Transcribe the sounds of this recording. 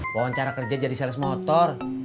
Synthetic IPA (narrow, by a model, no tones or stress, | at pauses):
wawaɲt͡ʃaɾakərd͡ʒad͡ʒadisɛlɛsmɔt̪ɔr